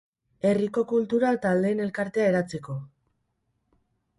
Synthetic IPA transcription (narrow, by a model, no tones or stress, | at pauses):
e̞riko̞kult̪uɾat̪ald̪e̞ːne̞lkaɾt̪e̞aeɾat͡seko̞